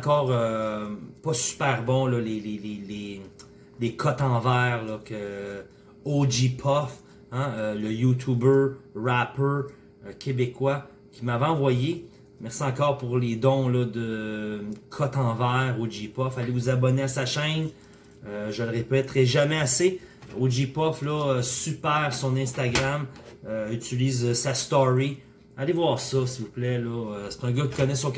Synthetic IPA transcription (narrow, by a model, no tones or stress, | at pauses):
kɔːʁø | pɔsy̥pɛʁbɔ̃lɔlelelele | lekʰɔt̪ɑ̃vɛːʁlɔkə | od͡ʒipʰɔf | ãøləjut̪ʰubø˞ʁapə˞ | kʲʰebekwa | kʲimavɛ̃ɑ̃vwaje | mɛʁsiɑ̃kɔːʁpuʁled̪ɔ̃lɔd̪ə | kʰɔt̪ɑ̃ːvɛːʁod͡ʒipɔfalevuzabɔneasaʃɛ̃n | øʒəlʁepɛt̪ʁɛʒamɛaseod͡ʒipɔflɔsypɛːʁsɔ̃nɛ̃st̪aɡʁamøyt̪iliːzsast̪ɔʁi | alevwaːʁsɔsivuplɛlɔøse̥t̪ɛ̃ːɡʌkʲi̥kɔnɛsɔk